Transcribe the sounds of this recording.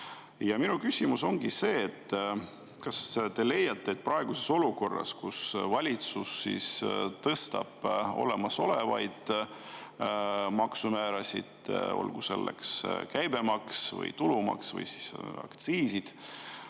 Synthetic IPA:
jɑminukysʲimuso̞ŋɡise̞ːt̪ː | kɑst̪e̞le̞jːɑt̪ːe̞eːt̪̚prɑe̞ɡ̥use̞so̞luko̞rːɑ̰skusvɑlʲit̪susːḭst̪ɤst̪ɑb̥o̞̰le̞mɑso̞le̞vɑjd̪̥ | mɑksumæːɾɑsʲid̪̥o̞̰lɡ̥use̞̰lːḛkskæjbe̞mɑksvɤ̰jt̪ulumɑ̰ksvɤ̰jsi̥sɑ̰kt̪siːsid̪̥

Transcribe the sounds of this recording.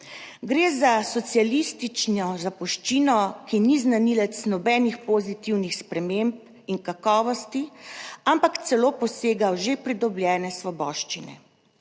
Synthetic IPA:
ɡɾeːzasɔt̪sialist̪it͡ʃnɔzapɔʃt͡ʃiːnɔkiniznanilɛt̪snɔbɛːnixpoːzit̪iwnixspɾɛmemp̚ | iŋkakɔːʋɔst̪iampakt̪sɛloːpɔseːɡawʒepɾid̪ɔbljɛːnɛsʋɔbɔːʃt͡ʃinɛ̰

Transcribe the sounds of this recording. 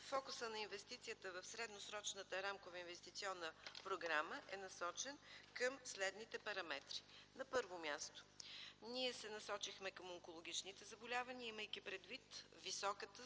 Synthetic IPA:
fɔkʊsənɐinvɛst̪it̪sijət̪əvəfsɾɛd̪nosɾɔt͡ʃnət̪əɾamkovəinvɛst̪it̪siɔnːəpɾoɡɾaməʔɛnɐsɔt͡ʃɛnkəmslɛd̪nit̪ɛpɐɾɐmɛt̪ɾi̥nɐpɤɾvomʲjast̪o̥niɛsɛnɐsɔt͡ʃixmɛkəmoŋkolˠoɡ̟it͡ʃnit̪ɛzɐbolʲavɐniəiməjk̟ipɾɛd̪vit̪visɔkət̪ə

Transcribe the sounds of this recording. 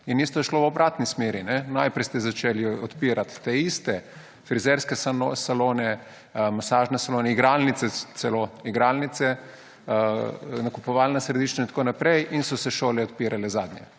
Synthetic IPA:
inːiːst̪ɔjɛʃlowɔbɾaːt̪nismeːɾinɛnajpɾɛjst̪ɛzat͡ʃeːliɔt̪piːɾat̪t̪eist̪ɛ | fɾizɛɾskɛssaloːnɛ | masaːʒnɛsaloːnɛiɡɾalnit̪sɛsɛloiɡɾalnit̪sɛ | nakupɔʋaːlnasɾɛd̪iːʃt͡ʃnaint̪koːnapɾɛjʔinsɔsɛʃoːlɛɔt̪̚piːɾalɛzaːd̪nʲjɛ̰

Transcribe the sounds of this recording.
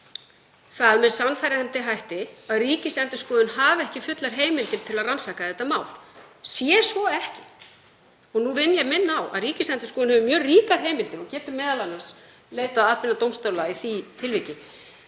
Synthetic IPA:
θaðmɛðsanːfajɾɪhɛnt̪ɪɦajht̪ɪaðriːcɪsɛnt̪ʏskɔːðʏnɦaːvɛhcɪfʏt̪laɾ̥ɦeːjmɪlt̪ɪɾ̥t̪ʰɪlaðransaːkaðɛht̪ːamaːwl̥sjɛsvɔɛhcɪ̥ | ɔɣnuvɪnːjɛɣmɪnːawa̰ðriːcɪsɛnt̪ʏ̥skɔːðʏnhɛvʏmjœːriːkaɾ̥ɦeːjmɪlt̪ɪɾɔcɛːt̪ʏmːɛːðalanːas | leːjt̪aðaðpɪnat̪owmst̪aːwlaiθit̪ʰɪlvicɪ

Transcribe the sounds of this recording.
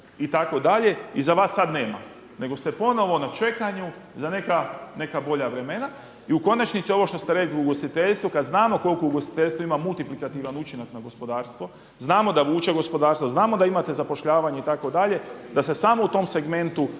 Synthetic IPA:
it̪ako̞d̪aʎe̞izaʋaːsːad̪neːma̰ | ne̞ɡo̞st̪e̞po̞no̞ʋo̞nat͡ʃe̞kaɲuzane̞kane̞kabo̞ʎaʋɾe̞me̞na | iuko̞nat͡ʃnit̪sio̞ʋo̞ʃt̪ost̪eɾe̞kliuɡo̞st̪it̪eʎst̪ʋukad̪znaːmo̞ko̞lʲkouɡo̞st̪i̥t̪eʎst̪ʋoimamult̪iplikat̪iːʋanut͡ʃinaknaɡo̞spo̞d̪aːɾst̪ʋo̞ | znaːmo̞d̪aʋuːt͡ʃeɡo̞spo̞d̪aːɾst̪ʋoznaːmo̞d̪aimat̪e̞zapo̞ʃʎaːʋaɲeit̪ako̞d̪aʎe̞d̪ase̞samout̪o̞mse̞ɡme̞nt̪u

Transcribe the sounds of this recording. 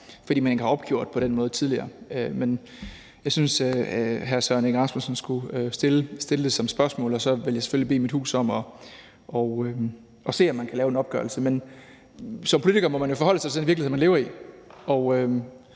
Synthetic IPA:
fd̥ḭːmæne̝ɡəhɑ̈ɒ̽b̥ɡ̥jo̝ɐ̰d̥̚pʰɒ̽ɾ̥enmɔ̽ːð̩ˠt͡sʰið̞ˠliɐːømen | jɑ̈ɪsynsøɦæɐsœɐneɡʁɑ̈smusn̩sɡ̥usd̥e̝ləsd̥e̝ləd̥e̝sɒ̽msb̥ɶɐsmɔ̰ːlɒ̽sɒ̽ʋe̝ljäɪse̥følibe̝̰ːmid̥hṵːsɒ̽m̰ɒ̽ | ʔɒø | ʔɒ̽se̝̰ːɒmːænkʰælɛːʊe̝nɒ̽b̥ɡ̥ɶ̰ɐlsəmen | sɒmpʰo̝lit͡sʰiɡ̥ɐːmɒmænjo̝fɒ̽hɒ̽l̰əsɑ̈ɪt͡sʰe̝denʋiɐliemænle̝ːʊɐiɒʊø

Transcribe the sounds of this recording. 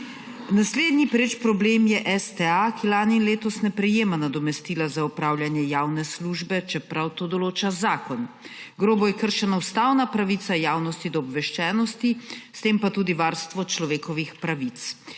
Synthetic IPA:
nasleːd̪nipɾeːt͡ʃpɾɔbleːmjɛʔɛst̪ɛakilaːninleːt̪ɔsnɛpɾɛjeːmanad̪ɔmɛst̪iːlazaupɾaːwlʲjanjɛjawnɛsluʒbɛt͡ʃɛpɾawt̪oːd̪ɔloːt͡ʃazaːkɔnɡɾoːbɔjɛkəɾʃɛnaust̪awnapɾaʋit̪sajaːwnɔst̪id̪ɔːbʋɛʃt͡ʃɛːnɔst̪ist̪eːmpat̪uːd̪iʋaːɾst̪ʋɔt͡ʃlɔʋeːkɔʋixpɾaʋit̪s

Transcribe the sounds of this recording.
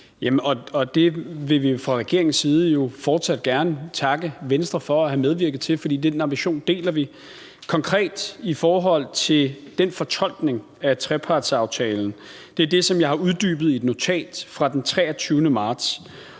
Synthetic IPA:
jæmɒ̽ɒ̽d̥e̝ʋe̝ʋifʁɑ̈ʁɛɡ̥e̝ɐeŋn̩siːð̞ˠəjo̝fɒːd̥sæd̥̚ɡ̥æɐnət͡sʰɑ̈ɡ̥əʋensd̥ʁɐfɒ̽æhæmeð̞ˠʋiɐɡ̥ð̩ˠt͡sʰe̝lfɒ̽d̥ḭːd̥enɑ̈mb̥iɕo̝̰ːnd̥e̝̰ːlɐʋi | kʰɒ̽ŋkʰʁɛ̰ːd̥ifɒːɦɒ̽l̰t͡sʰe̝ld̥enfɒ̽t͡sʰɒ̽l̰ɡ̥ne̝ŋ | æt͡sʰʁɛpʰɑ̈d̥sɑ̈ʊt͡sʰɛːln̩ | d̥e̝æɐd̥e̝sɒ̽mjɑ̈ɪhɑ̈uð̞ˠd̥y̰ːb̥ð̩ˠie̝d̥no̝t͡sʰɛ̰ːd̥fʁɑ̈d̥ent͡sʰʁɛːɐt͡sʰyːʊnəmɑ̈ːd̥s

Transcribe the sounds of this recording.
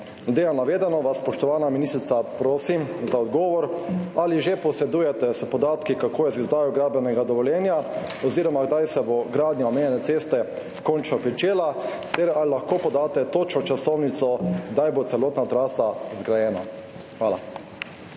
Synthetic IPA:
d̪eːjanaʋeːd̪ɛnɔʋasːpɔʃt̪ɔʋaːnaminist̪ɾit̪sapɾoːsimzaɔd̪ɡɔːʋɔɾaliʒepɔsɛd̪uːjɛt̪ɛspɔd̪aːt̪kikakoːjɛzizd̪aːjɔɡɾaːblɛnɛɡad̪ɔʋɔljɛːnja | ɔziːɾɔmaɡd̪ajsɛboɡɾaːd̪njaɔmeːnjɛnɛt̪seːst̪ɛ | kɔnt͡ʃnɔpɾit͡ʃeːla | t̪eɾalilaxkoːpɔd̪aːt̪ɛt̪oːt͡ʃɔt͡ʃasɔwnit̪sɔɡd̪ajbot̪sɛloːt̪nat̪ɾaːsazɡɾajɛːna̰ | xʋaːla̰

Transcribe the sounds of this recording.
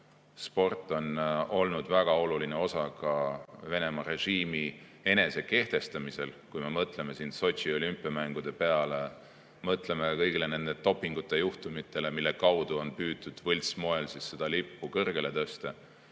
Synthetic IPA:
spo̞rt̪ːˑo̞no̞lnud̪væɡ̥ɑo̞luline̞o̞sɑkɑve̞ne̞mɑre̞ʒiːmi | e̞ne̞se̞ke̞ht̪e̞st̪ɑmise̞lkujme̞mɤt̪le̞me̞sind̪so̞t̪ʲsio̞lympːˑiɑmæŋɡ̥ud̪̥e̞pe̞ɑle̞ | mɤt̪ˑle̞me̞kɤjɡile̞ne̞nd̪et̪o̞pːiŋɡ̥ut̪ːˑe̞juht̪umit̪ːˑe̞le̞milːe̞kɑwd̪̥uo̞npyːt̪ːˑud̪̥vɤlʲsmo̞elsisːed̪̥ɑlipːukɤrɡ̥e̞le̞t̪ɤst̪e

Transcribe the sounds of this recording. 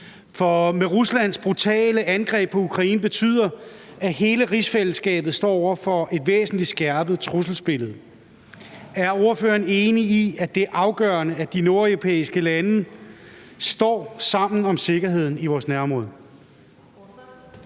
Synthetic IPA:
fɒ̽meʁuslæn̰sb̥ʁut͡sʰɛ̰ːləʔænɡ̥ʁɛ̰ːb̥̚pʰɒ̽ukʰʁɑ̈iːn̩b̥e̝t͡sʰy̰ð̰ˠɐ | æɦe̝ːləʁisfel̰sɡ̥ɛ̰ːb̥ð̞̩ˠsd̥ɒ̰ːɒʊ̰ɐfɒ̽ʔe̝d̥ʋḛːsn̩lid̥sɡ̥æɐb̥ð̩ˠt͡sʰʁusl̩sb̥e̝ləð̩ˠ | æɐo̝ɐføːɐne̝ːniiæd̥e̝ʔɑ̈ʊɡ̥ɶɐnəæd̥ino̝ɐœʊʁopʰḛːisɡ̥əlænə | sd̥ɒ̰ːsɑ̈m̰n̩ɒ̽mse̝ɡ̥ɐɦe̝ð̞̰ˠn̩iʋɒːsnæɐmʁɔðˠ

